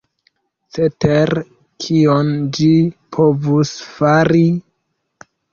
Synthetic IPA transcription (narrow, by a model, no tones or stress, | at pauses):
t͡seteɾ | kʰiond͡ʒipʰo̞vusfaɾi